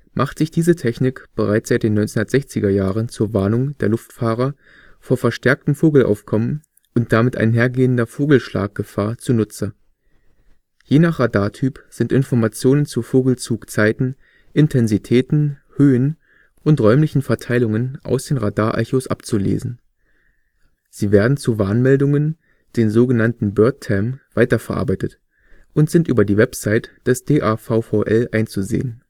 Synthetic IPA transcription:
mʔaχtz̥ɪçd̥iːzətʰɛçnɪkb̥əʁaɪtz̥aɪt̚d̥eːnːɔʏt͡sehʊndɐtz̥ɛçt͡sɪɡɐjaːʁənt͡suːɐvaɐnʊŋd̥eːɐlʊftfaːʁɐ | foːɐfɛɐʃtʰɛɐk̚tm̩foːɡl̩ʔa̰ʊfkʰɔmən | ʔʊnt̚d̥amɪtʔa̰ɪnɦeːɐɡeːəndɐfoːɡl̩ʃla̰ːk̚ɡ̥əfaːɐt͡suːɐnʊt͡sɐ | jeːnaχʁ̥adaːɐtʰyːpz̥ɪntʔɪnfɔɐmat͡sjoːnənt͡suːfoːɡl̩t͡suːkt͡saɪtn̩ | ʔɪntʰɛnzitʰɛːtn̩høːən | ʔʊntʁɔʏmlɪçn̩fɛɐtʰaɪlʊŋənʔa̰ʊsd̥eːnʁadaːɐʔa̰çosʔa̰pt͡sulḛːzn̩ | z̥iːveːɐdn̩t͡suvaːnmɛldʊŋən | d̥eːnzoːɡənantn̩bœɐtʰːɛmv̥aɪtɐfɛɐʔa̰ɐbaɪtət | ʔʊntz̥ɪntʔyːbɐdiːvɛpsaɪtd̥ɛsd̥eːʔaːfaʊfaʊʔɛlʔaɪnt͡suzḛːən

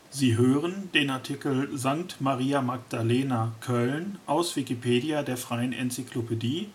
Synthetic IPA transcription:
ziːɦøːʁəndeːnaɐtʰikl̩zaŋk̚tmaʁiːamaɡd̥aleːnakʰœlnʔaʊsv̥ikipʰeːdiadeːɐfʁ̥aɪənʔɛ̰nt͡sikʰlopʰediː

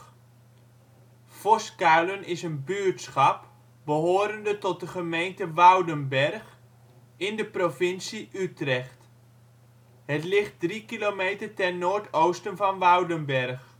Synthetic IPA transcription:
fɔskalənɪsənbyərtsχɑp | bəɦoːɾəndətɔt̚dəχəmejntəʋawdənbɛrχ | ɪndəprovɪnsiʔytrɛχt | hətlɪχt̚drikilomeːtərtɛrnoːrtʰowstənvɔnʋɔwdənbɛr

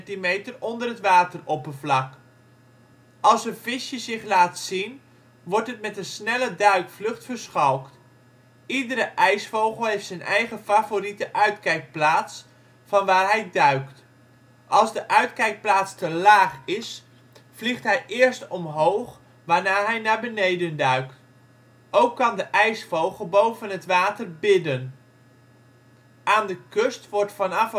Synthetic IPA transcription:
timejtərɔndərɦətʋaːtərɔpənvlɑk | ʔɑlˠsənvɪʃjəzɪχlaːtsin | ʋɔɹtɦətmɛtənsnɛlədœɥkflɵχtfəɹsχɔlˠkt | idəɾəʔɛjsfowχəlˠɦeftsɛnʔɛjχəfavoritəʔœɥtkɛjk̚plaːts | fɑnʋaːɹɦɛjdœɥkt | ʔɑlˠzdəʔœɥtkɛjk̚plaːtstəlaːχɪs | v̥liχtɦɛjʔɪːɹstɔmɦowχ | ʋaːɹnaːɦɛjnaːɹbənejdəndœɥkt | owkːɑndəʔɛjsfowχəlˠbowvənɦətʋaːtəɹbɪdən | ʔaːndəkɵstʋɔɹtfɑnɑf

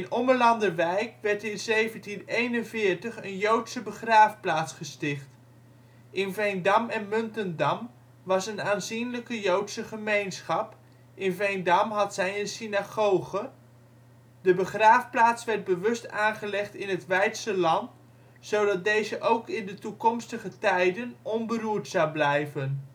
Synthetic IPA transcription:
ɪnɔməɹlɑndəɹʋɛjkʋɛɹtɪnzejvəntinejnənvɪːɹtəχənjowtsəbəχraːfplaːtsχəstɪχt | ʔɪnvɛjndɑmɛnmɵntəndɑm | ʋɑsənaːnzinləkəjowtsəχəmejnsχɑp | ʔɪnvejndɑmɦɑtsɛjənsinaχowχə | dəbəχraːfplaːtsʋɛɹd̚bəʋɵstaːnχəlɛχtɪnɦətʋɛjtsəlɑnt | sowdɑt̚dejzəʔowkɪndətukɔmstəχətɛjdənɔnbəruːɹtsɑwblɛjvən

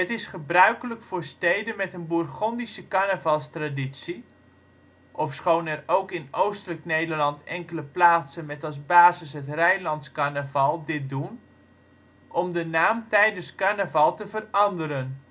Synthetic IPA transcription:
ətɪsχəbrœɥkələkfʊːrstejdənmɛtənburχɔndisəkanəvɑlˠstraditsi | ʔɔfsχownɛrowkɪnowstələknejdərlɑntɛŋkələplaːsənmɛtɑlˠzbaːzɪsɦətrɛjlɑntskanəvɑlˠdɪt̚dun | ʔɔmdənaːmtɛjdənskanəvɑlˠtəvərɑndəɾən

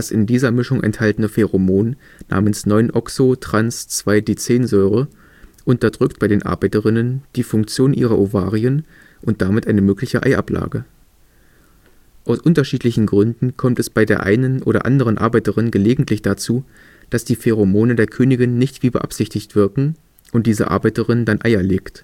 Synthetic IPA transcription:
dasɪndiːzɐmɪʃʊŋʔɛ̰nthaltənəfeʁomoːnː | a̰ːmənsnɔʏnʔɔksotʁ̥anst͡sv̥aɪdiːt͡seːnzɔʏʁə | ʔʊntɐdʁʏkt̚b̥aɪdeːnʔa̰ɐbaɪtəʁɪnənd̥iːfʊŋk̚t͡sjoːnʔiːʁɐʔova̰ːʁiən | ʔʊnt̚d̥aːmɪtʔaɪnəmøːklɪçəʔa̰ɪʔa̰pla̰ːɡə | ʔaʊsʔʊntɐʃiːtlɪçn̩ɡʁʏndn̩kʰɔmtɛsb̥aɪdeːɐʔa̰ɪnənʔo̰ːɾɐʔa̰ndəʁ̞ənʔa̰ɐbaɪtəʁɪnɡəleːɡŋ̩tʰlɪçd̥at͡suː | d̥asd̥iːfeʁ̞omoːnədeːɐkʰøːnɪɡɪnːɪçtv̥iːbəʔa̰pz̥ɪçtɪçtv̥ɪɐkŋ̩ | ʔʊnt̚d̥iːzə̰ʔa̰ɐbaɪtəʁɪndanʔaɪɐleːkt

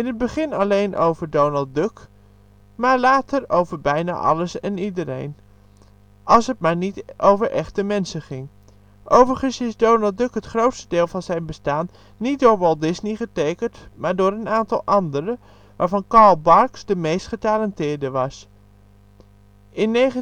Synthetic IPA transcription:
ɪnɦəd̚bəχɪnɑlejnʔo̰wvəɹdownəlˠd̚døk | maːɹlaːtəɹowvəɹbɛjna̰ːʔɑ̰ləsɛnidəɾḛjn | ʔɑlˠsət̚maːɹnitʔowvəɹʔɛχtəmɛnsəχɪŋ | ʔowvəɹχənsɪzdownəlˠdɵkɦətχrowtstədeːlˠvɑnzɛjnbəstaːnː | it̚dʊːɹbɔlˠdɪsniχətejkəntmaːɹdʊːɹənaːntɑ̰lˠʔɑndəɾə | ʋaːɹvɑnkɑɹlˠbɑɹksdəmejstχətalɛntɪːɹdəʋɑs | ɪnːeχə

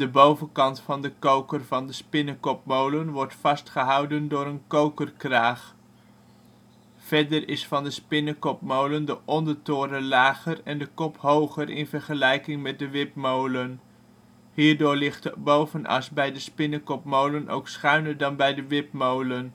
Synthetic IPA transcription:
d̥əbowvənkɑntfɑndəkowkərvɑndəspɪnəkɔp̚mowlənʋɔɹtfɑstχəɦɑwdəndʊːɾənkowkərkraːχ | fɛɹdəɾɪsfɑndəspɪnəkɔp̚mowləndəʔɔndəɹtʊːɾəlaːχərɛndəkɔpɦowχəɾɪ̰nvəɹχəlɛjkɪŋmɛt̚dəʋɪpmowlən | ɦiːɹdʊːɹlɪχtbowvənɑ̰sbɛjdəspɪnəkɔpmowlənʔo̰wksχœɥnəɹdɑnbɛjdəʋɪp̚mowlən

